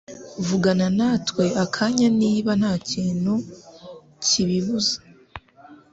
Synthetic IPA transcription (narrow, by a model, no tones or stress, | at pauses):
vuɡananatwe̞akʰaɲaniːβan̥haːciːnu | ciβiβuzḁ